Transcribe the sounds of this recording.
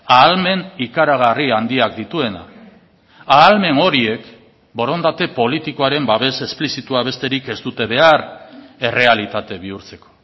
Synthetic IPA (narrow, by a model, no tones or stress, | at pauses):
aːlme̞nikaɾaɣ̞ariand̪iak̚d̪it̪ue̞na̰ | aːlme̞no̞ɾie̞k | bo̞ɾo̞nd̪at̪e̞po̞lit̪iko̞aɾe̞mbaβe̞se̞splisit̪uaβ̞e̞st̪e̞ɾike̞zd̪ut̪e̞β̞e̞are̞re̞alit̪at̪e̞β̞iuɾt͡se̞ko̞̥